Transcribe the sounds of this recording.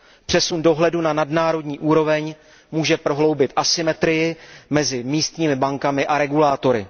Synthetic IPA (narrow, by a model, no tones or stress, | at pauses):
pr̝̥ɛsundo̞ɦlɛdunanadnaːɾo̞dɲiːʔuːɾo̞vɛɲ | muːʒɛpɾo̞ɦlo̞wbɪt̪ʔasɪmɛt̪ɾɪjɪmɛzɪmiːst̪ɲiːmɪbaŋkamɪʔaɾɛɡulaːt̪o̞ɾɪ̰